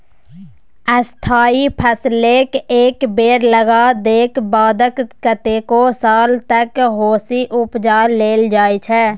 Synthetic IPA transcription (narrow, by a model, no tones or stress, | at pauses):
st̪ʰaːipʰəsleːkeːkbeːɾləɡad̪eːkbaːd̪əkkət̪ekosaːlt̪əkɦoːsiʔʊpd͡ʒaːleːld͡ʒaːet͡ʃʰɛː